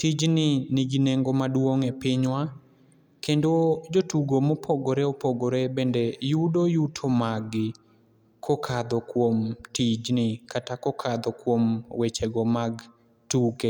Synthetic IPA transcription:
tid͡ʒnɪnɪɡineŋɡomadwoŋɛpɪɲwa | kendod͡ʒotuɡomopʰoɡoɾɛɔpoɡoɾɛbendejudojutʰomaɡɪ | kʰokʰad̪ɔkwomtid͡ʒnɪkatakɔkʰad̪ɔkwomwet͡ʃɛɡɔmaɡ | tuke

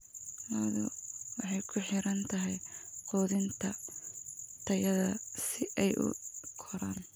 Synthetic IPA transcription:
lɐβðʊ̰wɑħɑjkʰʊħɪɾɐnt̪ʰɐɦɛjqɔːðɪnt̪ʰɐ | t̪ʰɐjɐðɐsɪʔɛjʔʊ̰kʰɔɾaːn

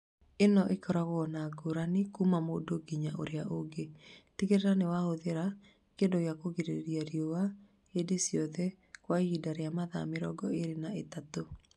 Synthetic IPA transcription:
enɔʔekɔɾaɣɔnaɡoɾanikumamodoɡiɲaʔo̰ɾeaʔoɡetikeɾeɾanewahoðeɾa | kedɔjakoɡiɾeɾjaɾjowa | edesjɔðɛ | kwahidaɾejamaða̰meɾɔɡɔeɾenaetato

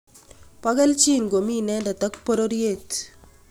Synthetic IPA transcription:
pɐɣɐlt͡ʃinɡominɛːndɐt̪ɐkpɔɾoɾjet̪

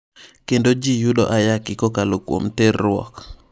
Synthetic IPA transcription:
kendod͡ʒijuɗɔ̰ʔajakɪkɔkalokwo̰mterːwɔ̰k

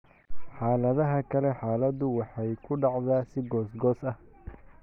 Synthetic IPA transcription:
ħaːlɐðɐɦɐkʰɐlɛħaːlɐd̪ʊwɑħɑjkʰʊɖɑʕðaːsɪɡɔːsɡɔːsɐh

